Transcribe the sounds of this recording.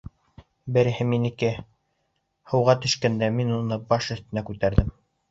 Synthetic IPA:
bɘ̆ɾɘ̆hɘminikɘ | hɤ̆wʁɑt̪ɵ̆ʃkænd̪æminunɤbɑʃɵ̆θt̪ɘ̆nækʉt̪æɾðɘm

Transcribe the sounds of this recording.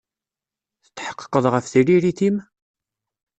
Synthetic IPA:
θə̥t͡s̪ːħə̥qːə̥qːəðˤʁəfθiɾiɾiθim

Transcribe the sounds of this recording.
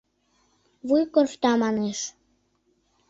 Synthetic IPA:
βujkorft̪ɑmɑneʃ

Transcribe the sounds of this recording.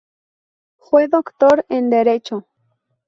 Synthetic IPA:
xweðokt̪oɾend̪eɾet͡ʃo

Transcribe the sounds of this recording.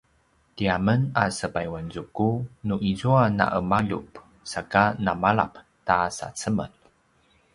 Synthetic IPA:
tiamənasəpajwanzukunuʔizuana̰ʔəmaʎṵp | sakanamaɭa̰p | tasa̰t͡səmə̰n

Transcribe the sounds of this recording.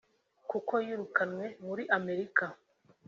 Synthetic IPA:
kuko̞jiɾukanwe̞muɾiʔame̞ɾika

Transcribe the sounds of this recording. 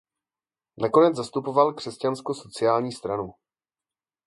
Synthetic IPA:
nako̞nɛd͡zzast̪upo̞valkr̥ɛscanskoso̞t͡sɪjaːlɲiːst̪ɾanu

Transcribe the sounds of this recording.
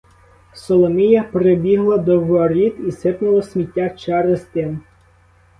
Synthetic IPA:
sɔlˠɔmijɐpɾebʲiɦlˠɐd̪ɔʋɐɾʲit̪isɪpnʊlˠɔsʲmʲitʲːat͡ʃɛɾest̪ɪn

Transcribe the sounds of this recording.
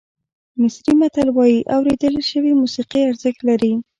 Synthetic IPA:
mɪsɾimat̪alwɑjiʔawɾed̪əlʃəwimusiqiaɾzək̪laɾi

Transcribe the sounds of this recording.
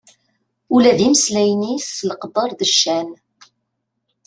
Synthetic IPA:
ulæðiməslæjnisləqəbəɾˤðəʃːæn

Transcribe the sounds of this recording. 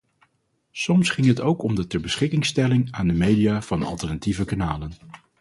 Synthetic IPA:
sɔmsχɪŋɦətowkɔmdətɛɹbəsχɪkɪŋstɛlɪŋaːndəmejdijaːv̥ɑnɑ̰lˠtɛɹnativəkanaːlən

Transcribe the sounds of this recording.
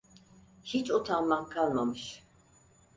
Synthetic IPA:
hit͡ʃʼut̪ʰamːaŋkʰalmɔmʃ

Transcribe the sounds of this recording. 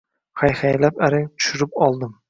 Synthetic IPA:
hajhajlapaɾɪŋt̪ʰʊ̥ʃʊɾɪpɒlˠd̪ɪm

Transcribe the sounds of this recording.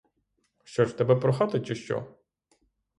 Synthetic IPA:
ʃt͡ʃɔʒt̪ɛbɛpɾɔxat̪ɪt͡ʃɪʃt͡ʃɔ̰

